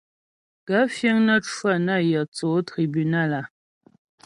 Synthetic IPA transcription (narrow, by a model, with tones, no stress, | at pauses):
ɡa˨˦fje˦ŋnə˦t͡ʃwa˦˨na˦˨jə˨t͡so˨˦tɾi˨by˨na˦˨la˨